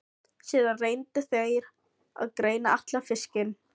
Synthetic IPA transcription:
sjɛːðanreːjnt̪ʏθejɾ | a̰ðkɾeːjnaʔaht̪lafɪscɪn

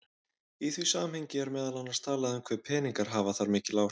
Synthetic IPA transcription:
iθvisaːmhejɲcɪɛɾmɛːðalanaɾst̪ʰaːlaðʏmkʰvɛɾpʰɛːniŋkaɾ̥ɦaːvaθaɾmɪːcɪlaːw

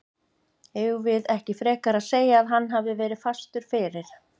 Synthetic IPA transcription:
ɛɣvɪðɛhcɪfɾɛːkaɾaðseːjaːðɦanːɦavðɪvɛːɾɪðfast̪ʏɾ̥fɪːɾɪɾ̥

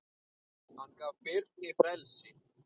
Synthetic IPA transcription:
hankavpɪɾt̪̚nɪfɾɛlsɪ

